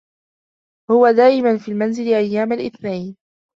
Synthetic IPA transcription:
hʊwad̪aːʔɪmanfiːlmanzɪlɪʔajːaːmalʔɪθnajn

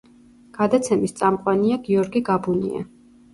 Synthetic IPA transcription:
ɡ̥ad̪at̪sʰɛmist̪sʼamqʼwaniaɡiɔɾɡiɡabunḭa̰

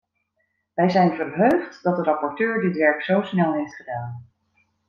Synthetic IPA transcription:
ʋɛjzɛjnvərɦøɥχtdɑt̚dərɑpɔɹtøːɹdɪtʋɛɹpsowsnɛlˠɦejftχədaːn

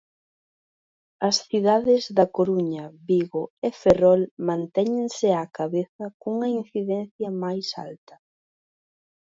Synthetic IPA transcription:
ɐsθiðaðɪzðɐkoɾuɲɐβiɣoeferɔlmãnt̪ɛɲeŋsɪakaβeθɐkuŋɐinθiðɛnθjɐmajsa̰lt̪ɐ̥

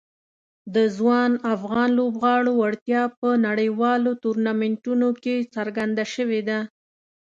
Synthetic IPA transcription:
d̪əzwɑnafɣɑnlobɣɑɽoaɽt̪jɑpənaɽəjwɑlot̪uɾnamɪɳʈunoket͡saɾɡand̪aʃəwed̪a

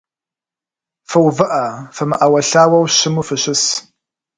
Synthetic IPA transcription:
fɐwvɨʔafɐmɨʔɐwɐɬaːwɐwɕɪmufɨɕɪs

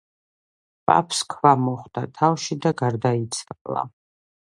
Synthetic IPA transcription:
pʼa̰pʰskʰvamɔχd̪̥at̪ʰavʃid̪aɡaɾd̪ait̪sʰalˠa̰

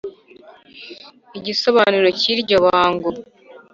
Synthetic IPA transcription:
iɟisoβaːniɾociɾɟoβaaːŋɡo

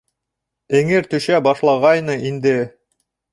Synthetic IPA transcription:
ɘ̆ŋɘɾt̪ɵ̆ʃæbɑʃlˠɑʁɑjnɤʔind̪ɘ

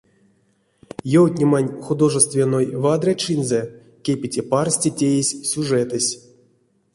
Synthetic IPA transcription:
jowt̪ʲnʲimanʲxud̪o̞ʐɨst̪vʲenojvad̪rʲat͡ʃɨnzɛ | kʲepʲitʲeparsʲtʲetʲejesʲsʲuʐɛt̪ɨsʲ

